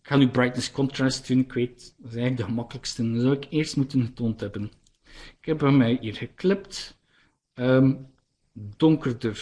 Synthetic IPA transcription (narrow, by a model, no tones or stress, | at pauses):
ɪkxaːnybrajtnskɔntrastynɪkʋeːtzɛɛjɣləɡ̚dəɣəmɑkələkstənzɑwɪkeːɹstmutənɣətoːntɦɛbən | ɪkɛpmamɛjiːrɣəklɪpt | əm | dɔŋkərdər